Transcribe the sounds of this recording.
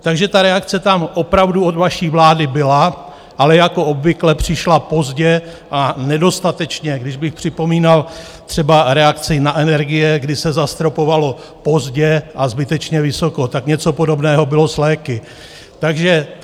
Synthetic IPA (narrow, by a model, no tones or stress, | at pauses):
t̪aɡʒɛt̪aɾɛakt͡sɛt̪amʔo̞pɾavduodvaʃiːvlaːdɪbɪla | ʔalɛjako̞obvɪklɛpr̝̥ɪʃlapo̞zɟɛ | ʔanɛdo̞st̪at̪ɛt͡ʃɲɛɡdɪʒbɪxpr̝̥ɪpo̞miːnal | t̪r̥ɛbaɾɛakt͡sɪnaʔɛnɛɾɡɪjɛɡdɪsɛzast̪ɾo̞po̞valo̞ | po̞zɟɛʔazbɪt̪ɛt͡ʃɲɛvɪso̞ko̞t̪akɲɛt͡so̞po̞do̞bnɛːɦo̞bɪlo̞slɛːkɪ | t̪aɡʒɛ